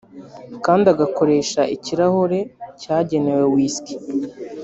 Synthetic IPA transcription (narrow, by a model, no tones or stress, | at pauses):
kaːndiaɡako̞ɾe̞ːʃaʔiciɾaho̞ɾe̞caːɟe̞ne̞we̞wiːski̥